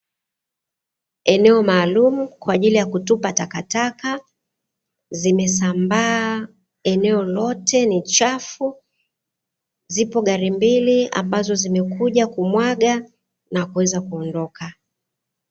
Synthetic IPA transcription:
ɛnɛɔmaːlumukwaːʄilijakutupatakataka | zimɛsambaː | ɛnɛɔlɔtɛnit͡ʃafu | zipɔɠaɾimbilia̰mbazɔzimɛkuʄakumwaɠa | nakuwɛzakuɔndɔka

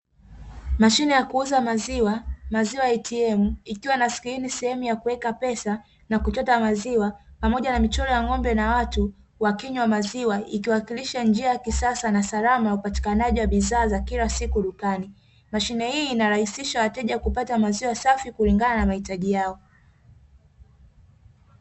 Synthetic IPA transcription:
maʃinɛjakuuzamaziwamaziwajitʰiɛmuikiwanaskiinisɛhɛmujakuwɛkapɛsa | nakutɔtamaziwapamɔʄanamit͡ʃɔlɔjaŋɔmbɛnawatu | wakiɲwamaziwaikiwakiliʃand͡ʒiajakisasanasalamajaupati̥kanaʄiwaɓiðaːzakilasikuɗukani | maʃinɛhiːnaɾahisiʃawatɛʄakupatamaziwasafikuliŋɡananamahitaʄijaɔ

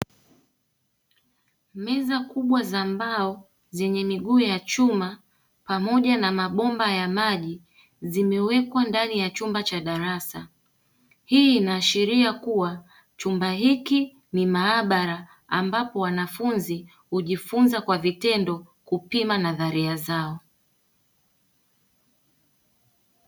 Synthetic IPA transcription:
mɛzakuɓwazambaɔ | zɛɲɛmiɠuːjat͡ʃuma | pamɔʄanamaɓɔmbajamaʄi | zimɛwɛkwandanijat͡ʃumbat͡ʃaɗaɾasa | hiːinaːʃiɾiakuwa | t͡ʃumbaɦiki | nimaːɓaɾa | ambapɔwanafunzi | huʄifunzakwavitɛndɔ | kupimanaðaɾiazaɔ

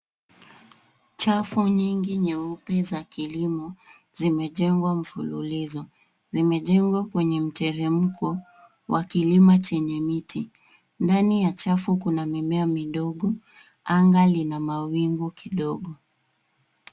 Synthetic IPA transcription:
t͡ʃafuɲiŋɡiɲɛupɛzakilimɔ | zimɛʄɛŋɡwam̩fululizɔ | zimɛʄɛŋɡwakwɛɲɛm̩tɛɾɛm̩kɔ | wʔa̰kilimat͡ʃɛɲɛmitʰi | ndanijat͡ʃafukunamimɛamiɗɔɠɔ | aŋɡalinamawiŋɡukiɗɔɠɔ

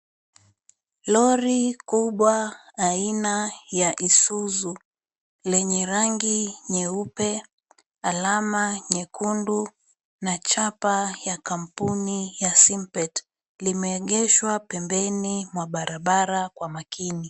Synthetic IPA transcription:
lɔɾikuɓwaːinajaʔisuzu | lɛɲɛɾaŋɡiɲɛupɛ | alamaɲɛkʰundu | nat͡ʃapajakam̩punijasimpɛt | limɛːɠɛʃwapɛmbɛnimwaɓaɾʔaɓaɾakwamakʰini

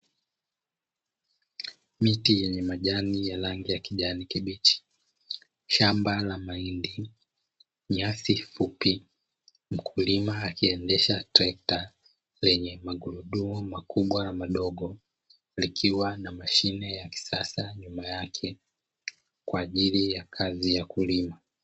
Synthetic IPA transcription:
mitijɛɲɛmaʄanijalaŋɡijakiʄanikiɓit͡ʃi̥ | ʃambalamaindi | ɲasifupi | m̩kʰulimaːkiɛndɛʃatɾaɛk̚ta | lɛɲɛmaɡuɾuɗuɔmakuɓwalamaɗɔɠɔ | likʰiwanamaʃinɛjaki̥sasaɲumajakʰɛ | kwaːʄilijakʰazijakulima

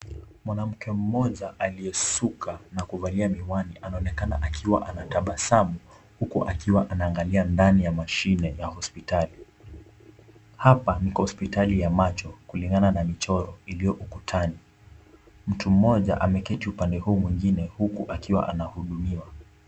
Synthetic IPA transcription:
mwanam̩kɛm̩mɔʄaʔaliɛsukʰanakuvaliamiwaniʔanaɔnɛkana̰ʔakʰiwa̰ʔanataɓasamu | hukuʔakiwaʔanaːŋɡaliandanijamaʃinɛjahɔspitali | hapanikɔspitalijamat͡ʃɔkuliŋɡananamit͡ʃɔɾɔilijɔʔukutʰani | m̩tum̩mɔʄa̰ʔamɛkɛtiupandɛhuːmwiŋɡinɛhukuʔakiwa̰ʔanahuɗumiwa

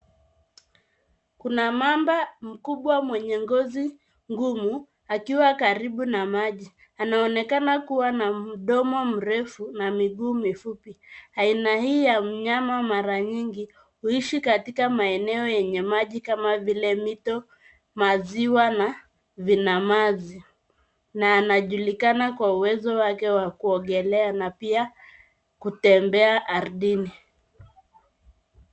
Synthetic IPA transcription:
kunamambam̩kuɓwamwɛɲɛŋɡɔzi | ŋɡumu | akiwakaɾiɓunamaʄi | anaɔnɛkanakuwanam̩ɗɔmɔm̩ɾɛfunamiɠuːmifupiainahiːjam̩ɲamamaɾaɲiŋɡi | huiʃikatikamaɛnɛɔjɛɲɛmaʄikamavilɛmitɔ | maziwana | vinamazi | naːnaʄulikanakwauwɛzɔwakɛwakuɔɠɛlɛanapia | kutɛmbɛaʔːɾɗini

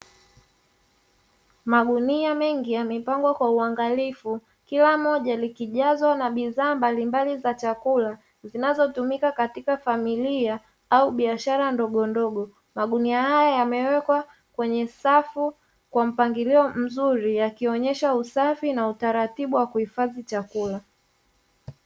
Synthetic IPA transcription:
maɠuniamɛŋɡijamipaŋɡɔkwauaŋɡalifu | kilamɔʄalikiʄazwanaɓiðaːmbalimbalizat͡ʃakula | zinazɔtumikakatikafamilia | auɓiaʃaɾandɔɠɔndɔɠɔ | maɗuniahajajamɛwɛkwa | kwɛɲɛsafu | kwam̩paŋɡiliɔm̩zuɾijakiɔɲɛʃausafinautaɾatiɓuwakuhifazit͡ʃakula

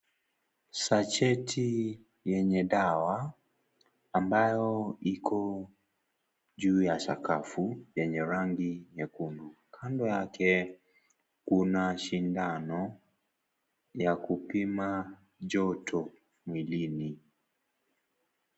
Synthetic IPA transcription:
sat͡ʃɛtʰi | jɛɲɛɗawa | mbajɔikʰɔ | ʄuːjasa̰kafujɛɲɛɾaŋɡiɲɛkundukʰandɔjakɛ | kunaʃindanɔ | jakupima | d͡ʒɔtʰɔ | mwilini

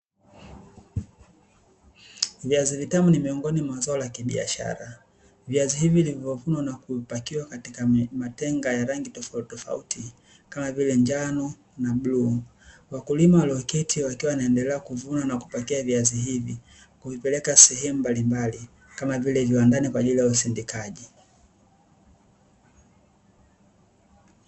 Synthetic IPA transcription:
viazivitamunimiɔŋɡɔnimwazaɔlakiɓḭa̰ʃa̰ɾa | viaziɦiviːlivɔvunwanakupakiwakatikamatɛŋɡajaɾaŋɡitɔftɔfa̰utʰi | kamavilɛɲd͡ʒanɔ | naɓluːwakulimawalɔkɛtʰiwakiwawnaɛndɛlɛakuvunanaku̥pɔkiaviaziɦivi | kuvipɛlɛkasɛɦɛmumbalimbali | kamavilɛviwandanikwaʄilijausindikaʄi

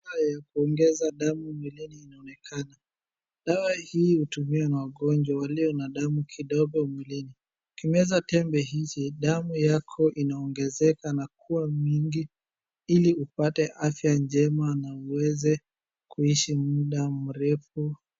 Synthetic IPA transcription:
ajakuɔŋɡɛzaɗamumwiliniːnaɔnɛkʰana | ɗawahiːhutumiwanawaɠɔnd͡ʒwawaliɔnaɗamukʰiɗɔɡɔmwilini | kimɛzatɛmbɛɦit͡ʃiɗamujakʰɔʔinaɔŋɡɛzɛkanakuamiŋɡi | iliupatɛʔafjand͡ʒɛmanauwɛzɛ | kuiʃimuɗamuɾɛfu

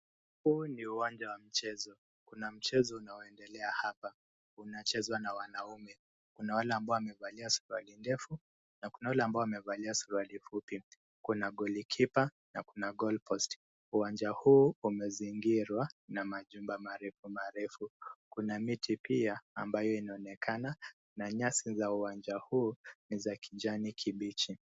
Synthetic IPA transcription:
huːniuwand͡ʒawam̩t͡ʃɛzɔ | kunam̩t͡ʃɛzɔunaɔɛndɛlɛahapa | unat͡ʃɛzwanawanaumɛ | kunawalɛambaɔamɛvaliasu̥ɾualindɛfu | nakunawalɛambaɔamɛvaliasuɾalifupi | kunaɠɔlikʰipa | nakunaɡɔlpʰɔst | uwand͡ʒahuːumɛziŋɡiɾwanamaʄumbamaɾɛfumaɾɛfukunamitʰipiaːmbajɔinaɔnɛkʰana | naɲasizauwand͡ʒahuːnizakʰiʄanikʰiɓit͡ʃi

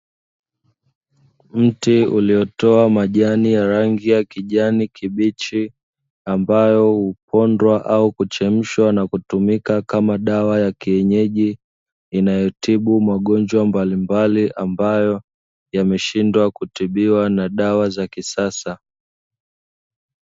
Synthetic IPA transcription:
m̩tiulijɔtɔamaʄanijaɾaŋɡijakiʄanikiɓit͡ʃi | ambajɔhupʰɔndwaʔaukut͡ʃɛm̩ʃwanakutumikakamaɗawajakiɛɲɛʄiː | najɔtiɓumaɠɔnd͡ʒwambalimbaliʔambajɔ | jamɛʃindwakutiɓiwanaɗawazakisasa

